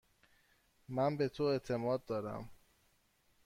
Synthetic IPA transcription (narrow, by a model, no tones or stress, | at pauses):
mænbe̞t̪ʰoe̞t̪ʰe̞mɒːd̪̚ːɒːɾæ̰m